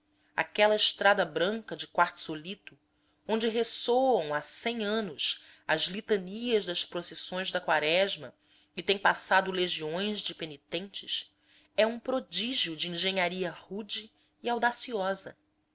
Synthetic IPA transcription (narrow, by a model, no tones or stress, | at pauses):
a̰kɛlɐɪʃt̪ɾad̪ɐbɾɐ̃ŋkɐd͡ʒɪkwaɾt̪ʊ̥solit̪ʊ | õnd͡ʒɪɦesowɐ̃w̃asẽj̃ɐ̃nʊʃ | ɐzlit̪ɐniɐʒd̪ɐʃpɾosesõj̃zd̪ɐkwaɾɛʒmɐ̰ | ɪt̪ẽj̃pasad̪ʊleʒiõj̃zd͡ʒɪpenit̪ẽnt͡ʃɪs | ɛũpɾod͡ʒiʒiʊd͡ʒiĩŋʒẽɲaɾiɐhud͡ʒiː | awd̪asiɔzɐ̰